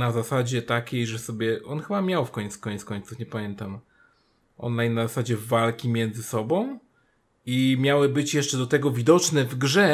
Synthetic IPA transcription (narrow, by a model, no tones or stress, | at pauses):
nazasad͡ʑɛt̪akʲejʐɛsɔbʲjɛʔɔnxɘbamʲjawfkɔɲɛt̪skɔɲt̪skɔɲt̪sufɲɛpamʲjɛnt̪am | ʔɔ̰nlajnnːazasad͡ʑɛvalkʲimʲjɛnd̪zɘsɔbɔ̃w̃ | imʲjawɘbɘt͡ɕjɛʂt͡ʂɛd̪ɔt̪ɛɡɔvʲid̪ɔt͡ʂnɛvɡʐɛ